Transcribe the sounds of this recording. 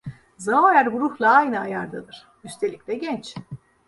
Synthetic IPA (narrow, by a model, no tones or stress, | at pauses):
zaajæɾɡuɾuhlˠaajnɯajaɾd̪ad̪ɯɾ̥ | yst̪ʰe̞lʲic̚lʲɛɟɛnt͡ʃ